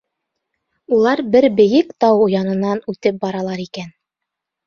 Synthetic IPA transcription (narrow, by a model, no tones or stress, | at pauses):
ulˠɑɾbɘɾbɘ̆jɘkt̪ɑwŏjɑnɤ̆nɑnʉt̪ɘp̚bɑɾɑlˠɑɾikæn